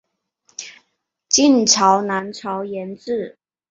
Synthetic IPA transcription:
t͡ɕi˥˨nʈ͡ʂʰɑ˨˥ʊna˧˦nʈ͡ʂʰɑ˧˥ʊjɛ˨˦˥nt͡sɹ̩˥˩

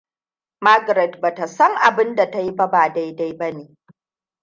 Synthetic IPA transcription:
ma˦ɡɾɛ˨dba˨ta˨sɐ˦ŋʔa˨bɪ˦nda˨ta˦ji˦ba˦baː˨da˦jda˦jbɐ˦neː˨

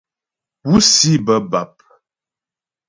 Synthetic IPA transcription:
pu˦si˦bə˦ba˨p̚

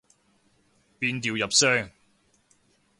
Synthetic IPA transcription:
piː˧nt̪iː˨˩wjɐ˨p̚sœː˥ŋ

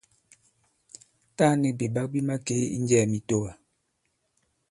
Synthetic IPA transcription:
ta˦ni˨bi˨ba˦k̚bi˦ma˦ke˦ḭ˦n˦d͡ʒɛː˦˨mi˨to˦wa˨

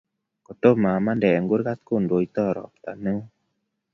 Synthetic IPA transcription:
ko˨to˦ma˨ma˦ndɛ˨ŋɡu˦ɾɡa˦t̪̚ku˦˨ndo˨jt̪ɔ˦˨ɾɔ̰˨p̚t̪a̰˨nɨ˦ŋ˦

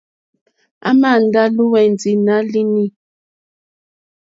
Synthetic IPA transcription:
a˦ma˦˨n˨da˦lu˦wɛ˨n˨d͡zi˨na˨˦li˦ni˦

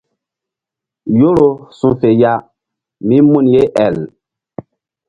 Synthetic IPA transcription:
jo˦ɾo˨sũ˨fe˨ja˦ | mi˦mu˦˨nje˦ʔɛ̰˨l

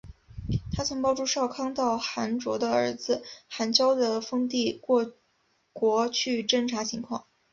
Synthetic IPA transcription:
t̪ʰa˥t͡sʰɤ˧˥ŋpɑ˥˧ʊʈ͡ʂu˥˧ʂɑ˥˩ʊkʰɑ˥ŋt̪ɑ˥˩ʊxa˧˥nʈ͡ʂwɔ˧˥d̪ə˧ə˞˧˥d͡zɹ̩˧xa˧˥nt͡ɕjɑ˥ʊd̪ə˨fɤ˥ŋt̪i˥˧kwɔ˥˧ | kwɔ˧˥t͡ɕʰy˥˩ʈ͡ʂə˥ŋʈ͡ʂʰa˧˥t͡ɕʰi˧˥ŋkʰwɑ̰˥˩ŋ

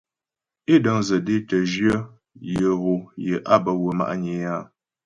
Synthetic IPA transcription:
e˦də˨ŋzə˨de˦tə˨ʒɥə˦ | jə˨ɣo˨jə˨ʔa˦bə˨wə˨ma̰˦ʔɲe˨a˦

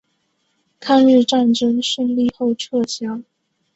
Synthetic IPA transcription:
kʰa˥˧ny˥˧ʈ͡ʂa˥˩nʈ͡ʂɤ˥ŋʂə˥˧ŋli˥˧xo˥˧ʊʈ͡ʂʰɤ˥˩ɕʰjɑ˥ŋ

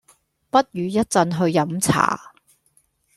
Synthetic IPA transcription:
pɐ˥t̚jyː˨˧jɐ˥t̚t͡sɐ˧nɦɵ˧ɥjɐ˨˥mt͡sʰa̰ː˨˩

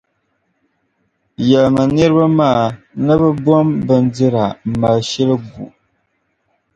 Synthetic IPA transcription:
jɛ˨lma˨nɨ˦ɾɨ˦ba˦ma˦ʔa˨ | nɨ˦bɨ˦bɔ˦mbɨ˦ndɨ˦ɾa˨m̩˨ma˨lʃɛ˦lɨ˦bu˨ʔ

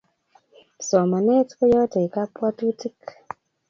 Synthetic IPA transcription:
sɔ˨ma˨ne˦tkɔ˦jɔ˦te˨i˨ka˦pwa˦tu˦ti˦k

